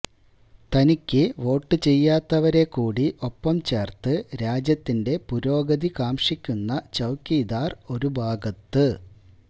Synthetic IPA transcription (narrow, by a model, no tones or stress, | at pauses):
t̪ɐnikʲːɨʋo̞ːʈːɨt͡ɕe̞jːaːt̪ːɐʋɐɾe̞kːuːɽiʔo̞pːɐmt͡ɕe̞ːrt̪ɨɾaːd͡ʑjɐt̪ːinde̞puɾo̞ːɡɐðikaːmʂikʲːunːɐt͡ɕɐwkːiːd̪aːro̞ɾubʱaːɡɐt̪ːɨ